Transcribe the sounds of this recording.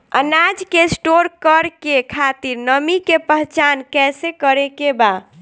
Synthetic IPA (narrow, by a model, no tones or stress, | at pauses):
ə̰nad͡ʒkesʈoɾkəɾkekʰat̪iɾnəmikepəɦt͡ʃankɛsekəɾekeba